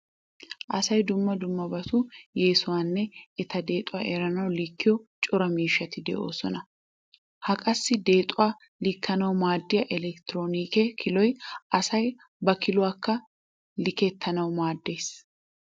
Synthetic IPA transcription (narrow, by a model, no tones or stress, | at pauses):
ʔɐsɐjd̪ʊmːɐd̪ʊmːɐbɐsujeːsʊwanːɛɛt̪ɐd̪e̞ːt̪ʼʊwaʔeɾɐnɐwlɪkːɪjɔt͡ʃʼʊɾɐmiːʃːɐt̪ɪd̪ɛ̰ʔo̞̰ːsɔnɐ | hɐkʼɐsːɪd̪e̞ːt̪ʼʊwa | lɪkːɐnɐwmaːd̪ːɪjɐʔɛlɛkt̪ɪɾo̞ːniːkekʰɪlɔjɐsɐj | bɐkɪlʊwakːɐ | lɪkɛt̪ʰːɐnɐwmaːd̪ːejs